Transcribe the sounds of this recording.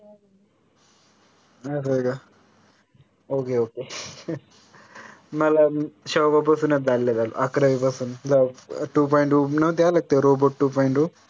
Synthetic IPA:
asɐɡa | oːkeoːke | mɐlaɕɔːbap̬ɐsuːned͡zalːed͡zalṵʔakɾɐʋipɐsuːnd͡zaʈuːp̬ɔjiɳʈunɐʋt̪̬jalɐɡ̚t̪eɾoːboʈːuːpɔiɳʈuː

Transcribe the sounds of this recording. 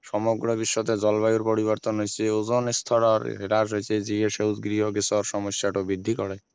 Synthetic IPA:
ʃɔmɔɡɾɔbiʃːɔt̪ed͡ʒɔlbajuɾpɔɽiβɔɾt̪ɔnɦojt͡ʃʰeuzɔnist̪ʰɔɾɔɾ̰ɦeʈaɾsejt͡ʃʰed͡ʒieʃewzɡɾiɦɔɡisɔɾsɔmɔsjaʈubid̪ʱːikɔɽe

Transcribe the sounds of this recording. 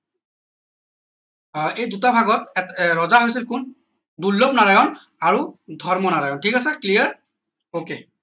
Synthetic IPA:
ejdutabʱaɡɔtɹɔzaɦojs̬ilkun | dulːɔpnaɹajɔn | aɹudʱɔɹmɔnaɹajɔntʰikasɛklijaɹ | oke

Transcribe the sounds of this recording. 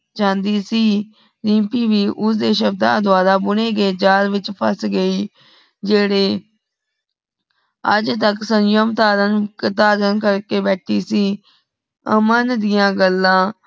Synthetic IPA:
t͡ʃãːnd̪iːsiː | ɾĩːpiːʋiːʔʊsd̪eːʃəb̚d̪a̰ːd̪ʊaːɾaːbʊɳeːɡeːd͡ʒaːɾʋɪt͡ʃpʰəsɡəiː | d͡ʒeːɽeː | ə̰d͡ʒt̪əksənjomt̪aːɾənt̪aːɾənkəɾkeːbɛːʈʰiːsiː | əmənd̪ɪjãːɡəlːãː

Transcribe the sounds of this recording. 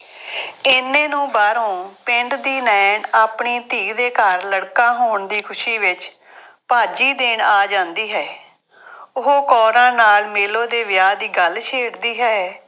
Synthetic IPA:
ɪnːẽːnũːbaːɾõːpɪɳɖd̪iːnɛːɳaːpɳiːt̪iːɡd̪eːkəɾləɽkãːɦoːɳd̪iːkʰʊʃiːʋɪt͡ʃ | paːd͡ʒiːd̪eːɳaːd͡ʒãːnd̪iːɦɛː | ʊɦoːkɔːɾãːnaːlmeːlõːd̪eːʋɪjaːd̪iːɡəlt͡ʃʰeːɽd̪iːɦɛː

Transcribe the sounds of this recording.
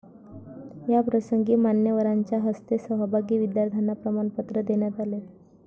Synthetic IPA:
japɾəsəŋɡiːmanjəʋəɾaɲt͡ɕjaɦəst̪esəɦəbʱaɡiːʋid̪jaɾt̪ʰjanapɾəmaɳpət̪ɾəd̪eɳjat̪ale

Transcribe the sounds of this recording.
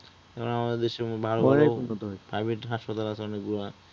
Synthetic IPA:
ɛkʰonamad̪eɾd̪eʃeɾobʱaloɔɾaunot̪opɾajbʱeʈɦaʃpat̪alat͡ɕʰeɔnekɡuɾa

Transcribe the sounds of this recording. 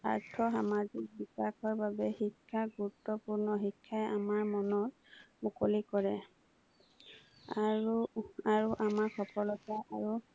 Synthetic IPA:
a̰ɹtʰɔxamazik̚bikaxɔɹbabɛxikʰːaɡuɹut̪ːɔpuɹnɔxikʰːajʔamaɹmɔnɔt̚ | mukolikɔɹɛ | aɹuaɹuʔamaɹxʰɔpʰɔlɔtaaɹu

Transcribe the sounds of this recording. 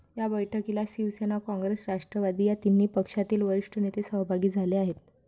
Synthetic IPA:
jabəjʈʰəkilasiʋsenakɔ̃ŋɡɾesɾaʂʈɾəʋad̪iːjat̪inːiːpəkʂat̪iːlʋəɾiʂʈʰənet̪esəɦbʱaɡiːd͡zʱaleaɦet̪̚

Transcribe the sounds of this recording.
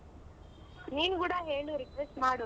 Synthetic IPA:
niːnuɡuːɽaɦeːɭuɾikʋesʈmaːɽo

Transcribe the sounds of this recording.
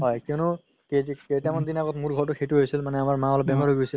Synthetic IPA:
ɦɔjkiɔnʊ | keketamand̪inaɡɔtmuɹɡʱɔɹtʊxʰejtuɦojsilmanɛamaɹmaɔlɔbɛmɔɹoɡojsil

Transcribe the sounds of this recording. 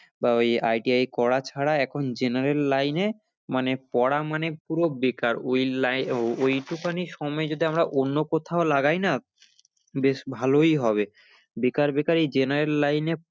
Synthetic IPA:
baojajʈiajkɔɽat͡ɕʰaɽaɛkʰond͡ʑenaɾelːajne | manepɔɽamanepuɾobekaɾojlajojʈukaniʃɔmɔed͡ʑod̪iamɾaʔonːokot̪ʰaolaɡajna | beʃbʱalojɦɔβe | bekaɾbekaɾid͡ʑenaɾelːajne

